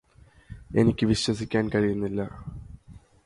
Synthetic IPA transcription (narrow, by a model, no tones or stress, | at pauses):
e̞nikʲːɨʋiɕwɐsikʲːaːnkɐɻijunːilːɐ